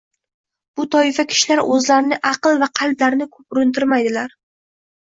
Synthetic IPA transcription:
b̥ʊt̪ʰɒɪfakʲʰɪ̥ʃɪlaɾɵzlaɾɪnɪʔɑqɨlˠvaqʰɑlˠblaɾɪnɪkʰɵp̚ʊɾɪnt̪ʰɪɾmajd̪ɪlaɾ

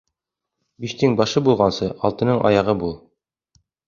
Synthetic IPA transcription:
biʃt̪ɘŋbɑʃɤbulˠʁɑnsɤʔɒ̰lˠt̪ɤ̆nɤɴʔɑ̰jɑʁɤbulˠ

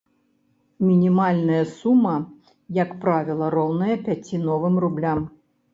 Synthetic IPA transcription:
mʲinʲimalʲnɐjɐsumːɐ | jɐkpɾavʲilˠɐɾɔwnɐjɐpʲat͡sʲinɔvɨmrublʲam

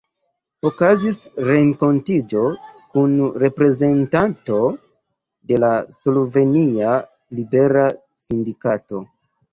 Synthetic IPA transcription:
okazisɾe̞ŋko̞ntid͡ʒo̞kunɾe̞pɾe̞ze̞ntanto̞ | de̞laslove̞nia | libe̞ɾa | sindikato̞

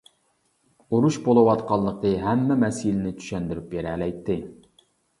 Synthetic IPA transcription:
uɾuʃbolˠɨwɑt̪qʰɑlˠːəqəɦɛmːɛmɛsjilɪnɪt̪ʰy̥ʃɛnd̪ɪɾypjeɾɛlɛjt̪ʰːɪ

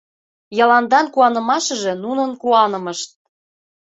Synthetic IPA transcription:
jɑlɑnd̪ɑnkuɑnɤ̆mɑʃɤ̆ʒĕnunɤ̆nkuɑnɤ̆mɤ̆ʃt̪̚

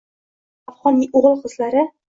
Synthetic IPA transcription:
afʁɒniʔuʁɤlˠχɤ̆zlaɾɘ

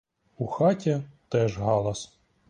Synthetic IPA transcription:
uxɑtʲɐt̪ɛʒɦɑlˠɐs

